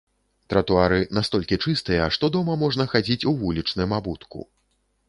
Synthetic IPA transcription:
t̪ɾɐt̪uaɾɨnast̪ɔlʲkʲit͡ʂɨst̪ɨjɐʂt̪ɔd̪ɔmɐmɔʐnɐxad͡zʲit͡sʲuvulʲit͡ʂnɨjmabut̪kṵ

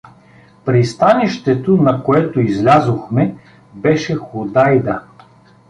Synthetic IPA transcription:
pɾist̪aniʃt̪ɛt̪onɐkoɛt̪oizlʲazoxmɛ | bɛʃɛxod̪ajd̪ɐ

